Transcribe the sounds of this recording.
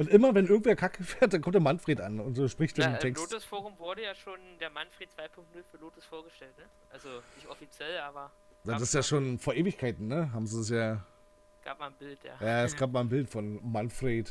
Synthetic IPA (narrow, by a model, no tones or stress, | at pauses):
ʔʊntʔɪmɐvɛnʔɪɐɡŋ̩tv̥eːɐkʰakəfeːɐt̚d̥ankɔmptd̥eɐmanfʁ̥eːtʔanʊntzoːʃpʁ̥ɪçtd̥amtʰɛkssoːtʊsfoːʁʊmvʊɐɾəjaːʃoːndeːɐmanfʁ̥eːt̚t͡sv̥aɪpʰʊŋktnʊlfyːɐloːtʊsfoːɐɡəʃtɛltnə | ʔalzonɪçtɔfit͡sjɛlʔaːbɐ | jaːdasɪsjaːʃoːnfoːɐʔeːvɪçkʰaɪtn̩nəɦaːbm̩ziːdasjaː | ɡ̥a̰ːp̚maːnbɪltja̰ːjaːɛsɡ̥aːp̚maːlnbɪltfɔnmanfʁ̥eːt